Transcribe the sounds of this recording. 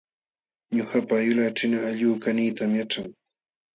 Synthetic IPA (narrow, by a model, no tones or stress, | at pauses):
ɲʊxapajʊlaʈ͡ʂɪnaːʎuːkaniːt̪amjaʈ͡ʂaŋ